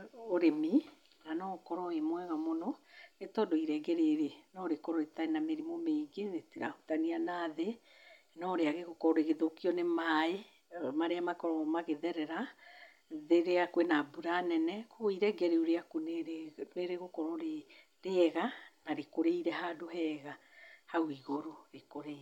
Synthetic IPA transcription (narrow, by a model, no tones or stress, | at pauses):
oɾemi | nanɔkɔɾɔemwɛɣamonɔetɔdɔiɾɛɡɛɾeɾenɔɾekɔɾɔetaenameɾimomeiɡeɾetiɾahutanianaðe | nɔɾeaɣeɣokɔɾoɾeɣeðokiɔnemae | maɾeamakɔɾɔmaɣeðɛɾɛɾa | ðeɾeakwenabuɾanɛnɛkoɣoiɾɛɡɛɾeuɾeakuneɾneɾeɣokɔɾɔɾe | ɾeɛɣanaɾekoɾeiɾɛɦadohɛːɣa | hauiɣoɾoɾekoɾe